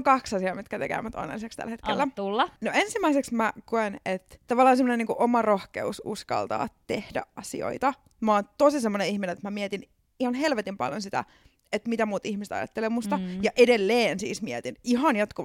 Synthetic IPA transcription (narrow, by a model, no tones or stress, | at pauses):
kɑksɑsiɑːmit̪kæt̪ekḛːmːæt̪o̰nːḛlisekst̪æ̰lhet̪kelːæt̪ulːɑnoensimæiseksmækoenet̪t̪ɑʋɑlːɑːnsemːoneniːkuʔomɑrohkḛusṵskɑ̰lt̪ɑ̰ːt̪ehdæ̰ʔʔɑsḭo̰it̪ɑ | mɑːnt̪osisemːoneihminenet̪mæmiɛt̪in | ihɑnhelʋet̪impɑ̰ljo̰nsit̪æ̰ | et̪mit̪æmuːt̪ihmiset̪ɑ̰jɑ̰t̪ːelemust̪ɑjɑʔedelːeːnsḭːsmiɛt̪iniɦɑnjot̪kuʋ